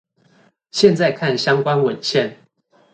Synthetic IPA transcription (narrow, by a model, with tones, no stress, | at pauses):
ɕjɛ˥˧nt͡sa˥˧ɪkʰa˥˩nɕjɑ˥ŋkwa˦nwə˨˩nɕjɛ˥˨n